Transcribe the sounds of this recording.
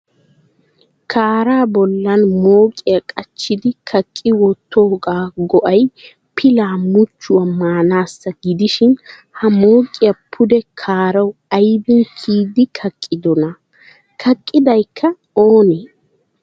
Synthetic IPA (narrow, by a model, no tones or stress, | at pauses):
kʰaːɾaːbɔlːɐnmoːkʼɪjɐkʼɐt͡ʃːɪd̪ɪkʰɐkʼːɪwɔt̪ːoːɡaːɡɔʔɐj | pʰɪlaːmʊt͡ʃːʊɐmːaːnaːsːɐɡɪd̪ɪʃɪn | hɐmoːkʼɪjɐpʰʊd̪ɛkʰaːɾɐwɐjbɪnkʰiːd̪ɪkʰɐkʼːɪd̪ɔnɐ | kʰɐkʼːɪd̪ɐjkʰːɐ | oːne